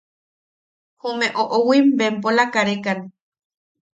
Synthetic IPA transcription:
homeʔoʔowimbempolakaɾekane

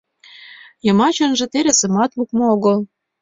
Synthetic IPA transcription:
jɤ̆mɑt͡ɕɤnʒĕt̪eɾesə̆mɑt̪lukmooɣɤl

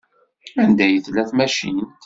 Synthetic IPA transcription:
ænd̪æjəθlæθmæʃint̪

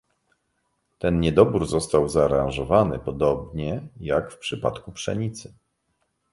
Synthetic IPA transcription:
t̪ɛnɲɛd̪ɔbuɾzɔst̪awzaːɾãnʐɔvanɘ̰pɔd̪ɔbɲɛjakfpʂɘpa̰t̪kupʂɛɲit̪sɘ

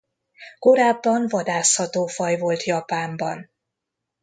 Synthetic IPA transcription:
ko̞ɾaːbːɒɱvɒd̪aːshɒt̪oːfɒjvo̞lt̪jɒpaːmbɒn

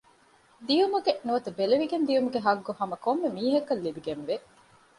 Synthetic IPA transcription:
d̪iumuɡenuʋɐt̪ubeleʋiɡend̪ijumuɡeɦɐɡːohɐmɐkomːemiːɦɐkːɐlːibiɡenʋe

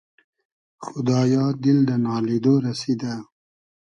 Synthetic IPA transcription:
xʊd̪ɑːjɑd̪ɪld̪ənɑled̪oɾased̪a

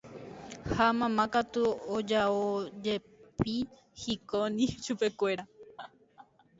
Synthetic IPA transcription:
hamãmãkat̪uod͡ʒaod͡ʒe̞ | pi | hikonĩʃupe̞kʷe̞ɾa

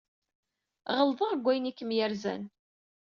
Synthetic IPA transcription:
ʁəlðəʁɡʷːæjnikːəmjæɾzæ̰n

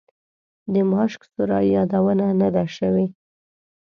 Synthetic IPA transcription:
d̪əmɑʃksʊɾɑjjɑd̪awənanad̪aʃəwe

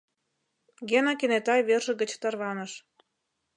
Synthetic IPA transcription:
ɡenɑkenet̪ɑjβerʒə̆ɡə̆t͡ɕt̪ərβɑnɤ̆ʃ

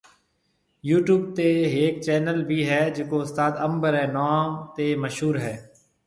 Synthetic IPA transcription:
juːʈjuːb̚t̪eːɦeːk̚t͡ʃɛːnəlbʱiːɦɛːd͡ʒekoːʊst̪aːd̪əmbəɾɦɛːnaːmt̪eːməʃɦuːɾɦɛː

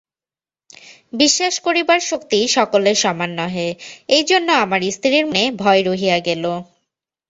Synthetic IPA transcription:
biʃːaʃkoɾibaɾʃokt̪iʃɔkoleɾʃɔmanːɔɦeejd͡ʑonːoamaɾist̪ʰɾiɾmonebʱɔeɾoɦiaɡɛlo

